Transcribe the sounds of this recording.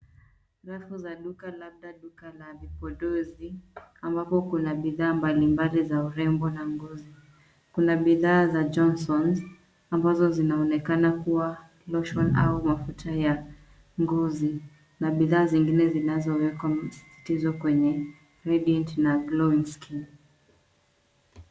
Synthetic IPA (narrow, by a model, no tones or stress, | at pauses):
ɾafuzaɗukalab̚ɗaɗukalavipɔɗɔziambapɔkunaɓiðaːmbalimbalizauɾɛmbɔnaŋɡɔzi | kunaɓiðaːzad͡ʒɔnsɔn | ambazɔzinaɔnɛkanakuwa | lɔʃɔna̰umafutʰaja | ŋɡɔzi | naɓiðaːziŋɡinɛzinazɔwɛkwasi̥si̥tizɔkwɛɲɛ | ɾɛɗiɛntnaɡlɔinski